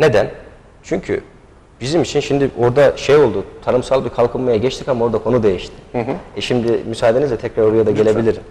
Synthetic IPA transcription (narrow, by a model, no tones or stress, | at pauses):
ne̞d̪æn | t͡ʃʰyɲcʰy̰ | b̥izimit͡ʃʰinʃimd̪iʔo̞ɾd̪aʃejo̞lˠd̪ut̪ʰanɯmsalˠbiɾkʰalˠkʰɯnmajaɟɛt͡ʃt̪ʰicamao̞ɾd̪akʰo̞nud̪e̞jiʃt̪ʰɪ̥ɛʃimd̪ɪmysaːad̪e̞nizɛt̪ʰɛcɾaɾoɾujad̪aɟee̞bilʲiɾin